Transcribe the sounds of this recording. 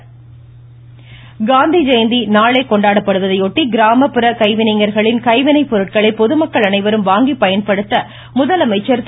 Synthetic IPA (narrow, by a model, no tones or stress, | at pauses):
ɡaːnd̪id͡ʒɐɪnd̪inaːɭeːkɔɳɖaːɽɐpːɐɽɯʋɐðɐjoʈːiɡɪɾaːmɐpːɪɾɐkɐɪʋɪnɐɪŋɡɐɾɣɐɭɪnkɐɪʋɪnɐɪpːɔɾɯʈ̚kɐɭɐɪpːɔðɯmɐkːɐɭɐnɐɪʋɐɾɯmʋaːŋɡipːɐjɐnpɐɽɯt̪ːɐ | mʊðɐlɐmɐɪt͡ʃːɐɾ